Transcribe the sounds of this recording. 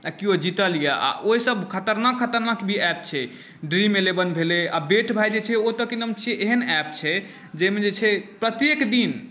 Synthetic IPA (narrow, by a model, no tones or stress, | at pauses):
akiod͡ʒit̪əlija̰ʔa̰ʔoɦisəbkʰət̪əɾnakʰːət̪əɾnakbʱiɛp̚t͡ʃʰɛ | ɖɾimelebənbʱelea̰beʈʰbʱajd͡ʒet͡ʃʰɛot̪əkenəmt͡ʃʰieʔeɦənɛpt͡ʃʰɛ | d͡ʒɛmed͡ʒet͡ʃʰɛpɾət̪jekd̪in